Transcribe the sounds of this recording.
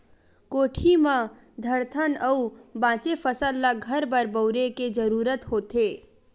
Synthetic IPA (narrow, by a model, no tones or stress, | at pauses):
koːʈʰimã | d̪ʱəɾt̪ʰənəubãːt͡ʃepʰəsəlːaɡʱəɾbəɾbəʊɾeked͡ʒəɾuːɾət̪ɦoːt̪eː